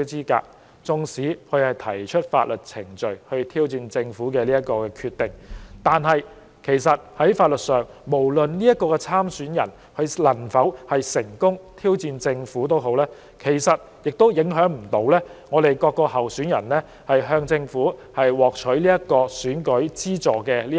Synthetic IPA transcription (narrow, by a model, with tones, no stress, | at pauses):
t͡siː˥ka̰ː˧k̚ | t͡sʊ˧ŋsiː˨˥kʰɵ˧ɥhɐ˨˩jt̪ʰɐ˨˩jt͡ʃʰɵ˥t̚fa̰ː˧t̚lɵ˨˩t̚t͡sʰɪ˨˩ŋt͡ʃɵ˨ɥhɵ˧ɥt̪ʰiː˥wt͡siː˧nt͡sɪ˧ŋfuː˨˥kɛː˧liː˥jɐ˥t̚kːɔː˧kɛː˧kʰyː˧t̪ɪ˨˩ŋt̪aː˨nɦɐ˨j | kʰe˨˩jsɐ˨t̚hɐ˨˥jfaː˧t̚lɵ˨t̚sœː˨˩ŋmo˨˩wlɵ˨nliː˥jɐ˥t̚kːɔː˧kɛ˧t͡sʰaː˥msyː˨˥njɐ̰˨˩n | hɵ˧ɥlɐ˨˩nfɐ˨˥whɐ˨jsɪ˨˩ŋkʊ˥ŋt̪ʰiː˥wt͡siː˧nt͡sɪ˧ŋfuː˨˥t̪̬o˥wɦo˨˥wlɛː˥ | kʰe˨˩jsɐ˨t̚ | jɪ˨k̚t̪o˥wjɪ˨˥ŋɦœː˨˥ŋm̩˨˩t̪o˨˥wlɛː˥ŋɔː˨˧ɾe˨jkɔː˧kːɔː˧hɐ˨˩wsyː˨˥njɐ˨˩nlɛː˥ | hɐ˨jɦœː˧ŋt͡sɪ˧ŋfuː˨˥hɐ˨jwɔː˨k̚t͡ʃʰɵ˨˥ɥliː˥jɐ˥t̚kɔː˧syː˨˥nkɵ˨˥ɥt͡siː˥t͡sɔː˨kɛː˧liː˥